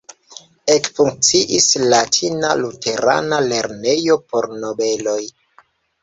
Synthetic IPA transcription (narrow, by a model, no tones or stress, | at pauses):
ekfuŋk̚t͡siʔislatʰina̰lute̞ɾa̰nale̞ɾne̞jo̞po̞ɾno̞be̞lo̞j